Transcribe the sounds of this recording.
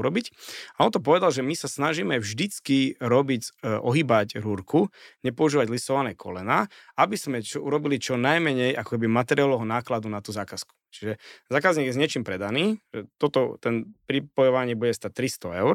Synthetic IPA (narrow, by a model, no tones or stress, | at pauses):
uɾɔbicaʔɔnt̪ɔp̬ɔʋɛd̪alʒɛmisasnaʒimɛvʒd̪it͡skiɾɔbiɟʔɔɦiːbaɟɾuɾkuɲɛpɔuʒiːʋaɟlisɔʋanɛːkʰɔ̰lɛnaːabiz̥mɛt͡ʃɔuɾɔbilit͡ʃɔnajmɛɲɛjʔakɔ̥kɛbimat̪ɛɾialɔɦɔnaːklad̪unat̪uːzaːkasku̥t͡ʃiʒɛzaːkazɲiɡjɛzɲɪɛt͡ʃiːmpɾɛd̪aniːʒ̥ɛt̪ɔt̪ɔt̪ɛnpɾipɔjɔʋaɲɪɛbuɟɛst̪at̪ːɾist̪ɔɛʊɾ